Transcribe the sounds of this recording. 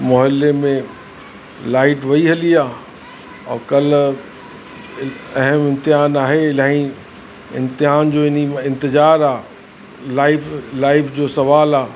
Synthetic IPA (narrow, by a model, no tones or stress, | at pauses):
mɔːɦɪlːemẽ | laːɪʈʋɐiɦɐliaː | ɔ̰ːkɐl̤ | ɐɦəmɪ̃nt̪ɪɦaːnaːɦelaːĩ | ɪ̰̃nt̪ɪɦaːnd͡ʑoːɪniɪ̃nt̪ɪzaːɾaː | laːɪflaːɪfd͡ʑoːsɐʋaːlaː